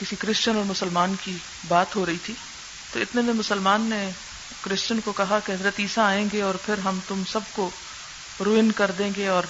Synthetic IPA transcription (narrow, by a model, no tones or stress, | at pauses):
kɪsikɾɪst͡ʃənɔːɾmʊsəlmaːnki | baːt̪ɦoɾɐɦit̪ʰiː | t̪oɪt̪nemẽmʊsəlmaːnːe | kɾɪst͡ʃənkokɐɦakeɦɐzɾət̪iːsaaːẽːɡeɔːɾpʰɪɾɦɐmt̪ʊmsɐb̚ko | ɾoːɪnkɐɾd̪ẽːŋɡeɔːɾ